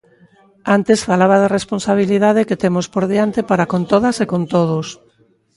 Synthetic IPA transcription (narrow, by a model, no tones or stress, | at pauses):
ant̪esfalaβ̞að̞eresponsaβ̞iliðaðeket̪emospoɾðiant̪epaɾakont̪oðɐsekont̪oð̞ʊs